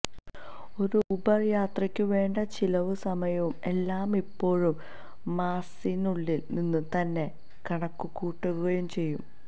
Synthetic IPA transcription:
o̞ɾuubɐrjaːt̪rɐkʲːɨʋe̞ːɳɖɐt͡ɕilɐʋɨsɐmɐjɐʋume̞lːaːmipːo̞ːɻumː | aːsinuɭːilninːut̪ɐnːe̞ | kɐɳɐkːukuːʈːuɣuɣɐjumt͡ɕe̞jːum

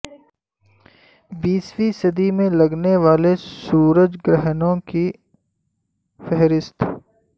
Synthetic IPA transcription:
biːswisɐd̪imẽlɐɡneʋaːlesuːɾəd͡ʒɡɾɛɦnõki | fɛɦɾɪst̪ʰ

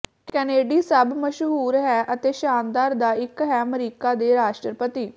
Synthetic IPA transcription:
kɛːneːɖiːsəbməʃɦuːɾɦɛːʔət̪eːʃaːnd̪aːɾd̪aːɪkɦɛːməɾiːkaːd̪eːɾaːʃʈɾəɾpət̪iː

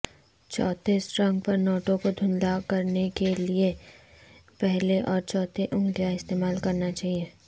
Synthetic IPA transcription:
t͡ʃɔːt̪esʈɾɐ̃ŋɡ̚pɐɾnɔːʈõkod̪ʱʊ̃nlakɐɾnekelie | pɛɦleʔɔːɾt͡ʃɔːt̪eʔʊ̃ŋɡijaɪst̪eːmaːlkɐɾnat͡ʃaːɦieː

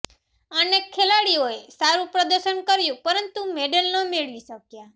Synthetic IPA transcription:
ənekʰːelaɽioesaɾũpɾəd̪əɾʃənkəɾjũpəɾənt̪umeɖəlnəmeɭʋiʃəkja

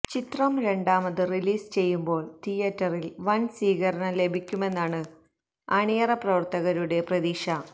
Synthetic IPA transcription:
t͡ɕit̪rɐmɾe̞ɳɖaːmɐðɨriliːst͡ɕe̞jːumbo̞ːɭt̪ʰijɐtːɐrilʋɐnsiːɣɐɾɐɳɐle̞bʱikʲːume̞nːaːɳɨ | ɐɳijɐrɐprɐʋɐrt̪ɐɣɐɾuɽe̞prɐðiːʂɐ

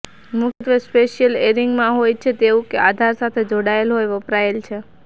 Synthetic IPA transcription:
mukʰt̪ʋespeʃijəleɾiŋɡmãɦojt͡ʃʰet̪eũkead̪ʱaɾsat̪ʰed͡ʒoɽaelɦojʋəpɾaelt͡ʃʰe

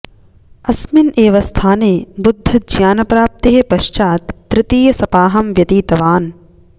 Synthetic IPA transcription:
ɐsmineːʋɐst̪ʰaːneːbud̪ʱːɐd͡ʒʱjaːnɐpɾaːp̚t̪eɦepɐʃt͡ʃaːt̪ːɾɪt̪iːjɐsɐpaːɦɐmʋjɐt̪iːt̪ɐʋaːn

